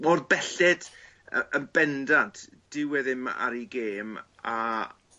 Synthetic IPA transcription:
ɔrbɛɬɛd̥ | ənbɛndantʰ | d̥ɪwɛðɪma̰ɾiɡeːm | a

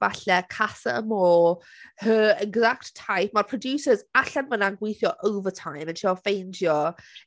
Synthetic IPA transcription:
vaɬɛkʰasa̰ə̰moː | həːɛɡzakttʰːajp̚marpʰr̥ɔdjuːsəzaɬɛnvənanɡwejθjɔʔəwvətʰajmənʃafejndjɔ

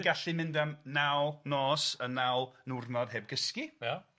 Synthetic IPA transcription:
ɡaɬɨmɪndamnawˠnɔːsənːawˠənʊrnɔd̥ɦeːb̚ɡəskija

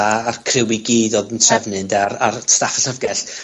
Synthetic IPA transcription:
aarkʰrɪwiɡiːdɔdəntʰrɛvnɨndararstafaɬəvɡɛɬ

